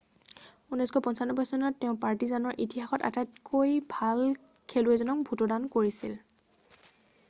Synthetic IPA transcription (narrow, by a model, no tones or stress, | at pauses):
unɔjskʰɔpɔnsanːɔbɔjsɔnɔtːeʊ̃paɹtizanɔɹʔitiɦaxɔta̰tatkʰojbʱal | kʰeluɛzɔnɔk̚bʱutɔdankoɹisil